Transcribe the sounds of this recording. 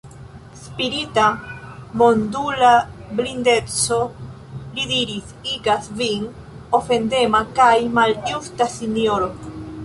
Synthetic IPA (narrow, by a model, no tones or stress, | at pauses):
spiɾit̪amond̪ulablind̪et̪t͡so | liðiɾisiɡasviŋ | ofend̪emakajmalust̪asinjoɾo